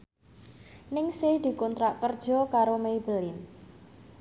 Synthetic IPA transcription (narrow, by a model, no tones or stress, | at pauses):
nɪŋsɪhd̪̥i̤kɔnt̪ɾaʔkərd̥ʒ̥ɔ̤kaɾomebəlɪn